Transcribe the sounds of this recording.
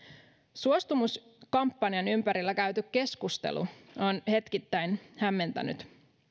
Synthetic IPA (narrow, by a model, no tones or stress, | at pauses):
suost̪umuskɑmpːɑnijɑnympæɾilːækæɥt̪ykkːe̞skust̪e̞̰lṵonhe̞t̪kit̪ːæjnhæmːe̞nt̪æ̰ny̰t̪